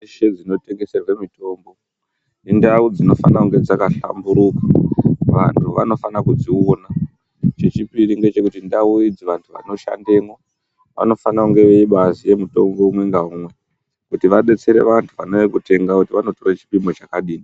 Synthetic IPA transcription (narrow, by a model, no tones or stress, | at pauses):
ʃe̞d͡zino̞te̞ŋɡe̞se̞rwe̞mito̞ːmbo̞ | nendaud͡zino̞fa̰nakuŋɡe̞d͡zakaɬa̰mbuɾukḁʋa̰ntʰuʋano̞fanakud͡ziona | t͡ʃe̞t͡ʃipiɾiŋɡe̞t͡ʃe̞kutindauid͡ziʋantʰuʋa̰no̞ʃa̰nde̞mo̞ | ʋa̰no̞fanakuŋɡe̞ʋe̞iɓazije̞muto̞mbo̞umwe̞ŋɡaumwe̞ | kutiʋaɓe̞t͡se̞ɾe̞̰ʋantʰuʋano̞ekute̞ŋɡakutiʋano̞to̞ret͡ʃi̥pimo̞t͡ʃakaɗiːni